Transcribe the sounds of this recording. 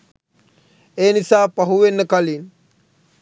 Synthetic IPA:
eːnisaːpaɦuʋenːəkalin

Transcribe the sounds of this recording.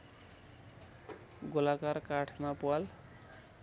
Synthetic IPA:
ɡolakarkaʈʰmapual

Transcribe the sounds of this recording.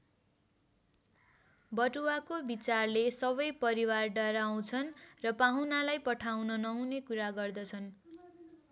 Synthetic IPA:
bʌʈuakobit͡sarlesʌbʌjpʌɾiwarɖʌɾaw̃t͡sʰʌnrʌpaɦunalajpʌʈʰawnʌnʌɦunekuɾaɡʌrd̪ʌt͡sʰʌn

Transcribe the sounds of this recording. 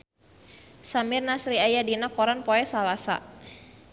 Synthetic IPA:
samɪrnasɾiajadinakɔɾanpɔɛsalasa̰

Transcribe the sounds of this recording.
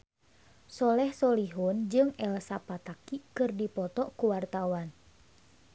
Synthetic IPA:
sɔlɛhsɔliɦʊnd͡ʒɨŋɛlsapat̪akikɨrdipɔt̪ɔʔkuwart̪awan

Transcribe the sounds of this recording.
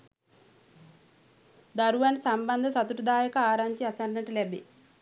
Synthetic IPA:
d̪ɐɾuʋɐnsɐmbɐnd̪ʱɐsɐt̪uʈud̪aːjɐkɐaːɾaɲt͡ʃiɐsɐnnɐʈulebḭ

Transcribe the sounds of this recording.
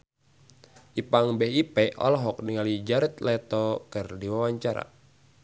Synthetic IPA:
ʔipaŋbɛɦipɛʔɔ̰lɔɦɔk̚niŋalid͡ʒaɾɛt̪lɛt̪ɔkɨrdiwawaɲt͡ʃaɾa̰

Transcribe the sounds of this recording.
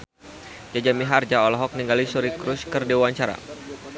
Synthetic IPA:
d͡ʒad͡ʒamiɦard͡ʒaɔlɔɦɔk̚niŋɡalisuɾikɾʊskɨrdiwaɲt͡ʃaɾa̰

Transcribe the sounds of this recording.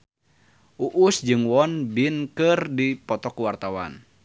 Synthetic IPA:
ʔuʔusd͡ʒɨŋwɔnbinkɨrdipɔt̪ɔkuwart̪awa̰n

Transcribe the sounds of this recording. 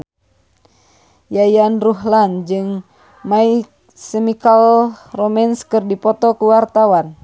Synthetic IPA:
jajanruɦland͡ʒɨŋ | mai | səmikalrɔmɛnskɨrdipɔt̪ɔkuwart̪awan

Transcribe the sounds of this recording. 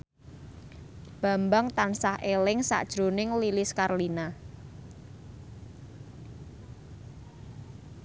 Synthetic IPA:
b̥a̤mbaŋt̪ansahelɪŋsa̰ʔd̥ʒ̥ɾonɪŋlilɪskarlina

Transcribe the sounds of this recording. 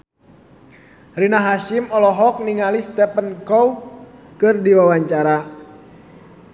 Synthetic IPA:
rinaɦaʃimɔlɔɦɔk̚niŋalist̪ɛpənkɔwkɨrdiwawaɲt͡ʃaɾa

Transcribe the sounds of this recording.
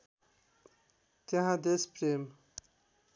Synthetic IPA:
t̪aɦãd̪espɾem

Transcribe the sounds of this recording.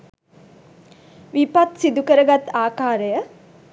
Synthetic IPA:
ʋipat̪sid̪ukəɾəɡat̪aːkaːɾəjə

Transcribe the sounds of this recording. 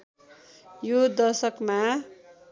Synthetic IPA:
jod̪ʌsʌkma

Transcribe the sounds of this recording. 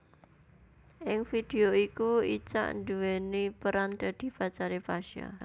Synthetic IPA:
ʔɪŋfid̪̥e̤oikuit͡ʃa̰ʔnd̪uwenepəɾand̪̥a̤d̪̥i̤pat͡ʃaɾepaʃa̰

